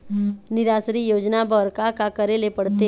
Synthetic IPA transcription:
nɪɾaːsɾijoːd͡ʒnabʱɔɾkakakəɾelepəɽt̪e

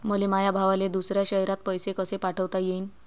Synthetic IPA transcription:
məlemajabʱaʋaled̪usɾjaɕəɦɛɾat̪̚pəjsekəsepaʈʰəʋt̪ajein

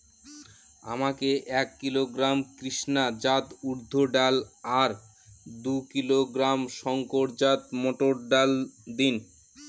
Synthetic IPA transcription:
a̰makeʔɛkːiloɡɾamkɾiʃnad͡ʑat̪uɾd̪ʱːoɖalaɾ | d̪ukiloɡɾamʃɔŋkoɾd͡ʑat̪moʈoɾɖald̪in

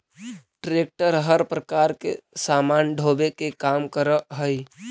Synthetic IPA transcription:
ʈɾeːk̚ʈəɾɦəɾpɾəkaːɾkḛsaːmaːnɖʱoːbekekaːmkəɾəɦəi

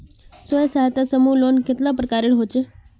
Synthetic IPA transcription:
səjəsaɦat̪asəmulonket̪lapɾəkaɾiɭɦot͡ʃe

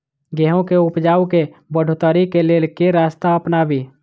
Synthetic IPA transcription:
ɡɛɦõkeʊpd͡ʒaːukebəɽ̤ʱot̪əɾikeleːlkeɾaːst̪aəpnabʱi

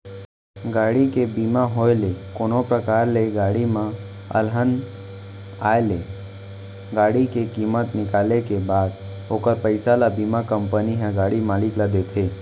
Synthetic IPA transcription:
ɡaːɽikebiːmaɦoːelekoːnopɾəkaːɾleɡaːɽimã | ə̰lɦən | aːele | ɡaːɽikekiːmət̪nɪkaːlekebaːd̪ | oːkəɾpəɪsalabiːmakəmpəniɦɛ̃ɡaːɽimaːlɪklad̪eːt̪ʰeː

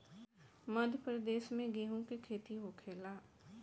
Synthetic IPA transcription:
mɐd̪ʱjəpɾəd̪eːʃmẽɡeːɦũkekʰeːt̪iɦoːkʰeːlaː

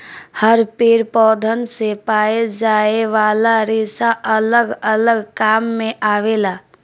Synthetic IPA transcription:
həɾpeːɾpɔːd̪ʱənsepaːed͡ʒaːeʋaːlaɾeːsaʔələɡələɡkaːmːẽʔaːʋeːlaː

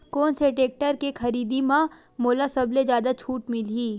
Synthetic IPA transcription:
koːnseʈeːk̚ʈəɾkekʰɐɾiːd̪imã | moːlasɐbled͡ʒjaːd̪at͡ʃʰuːʈmɪliː

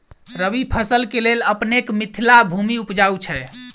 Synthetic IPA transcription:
ɾəʋipʰəsəlkeleləpnekmit̪ʰilabʱumiupd͡ʒawt͡ʃʰɛ

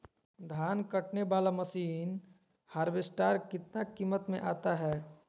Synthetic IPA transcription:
d̪ʱaːnkɐʈneʋaːlamɐsiːn | haːɾʋɪsʈaːɾkɪt̪nakiːmət̪mḛ̃ʔaːt̪aɦɛː

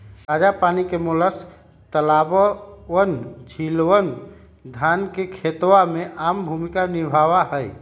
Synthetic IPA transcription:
ɾad͡ʒapanikemoləs | t̪əlabəənd͡ʒʱilwən | d̪ʱankekʰet̪wameʔambʱumikanibʱawaɦəj

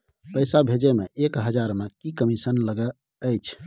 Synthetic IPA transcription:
pəjsabʱed͡ʒemeʔekɦəd͡ʒaɾmekikəmisənləɡə | əjt͡ʃʰ

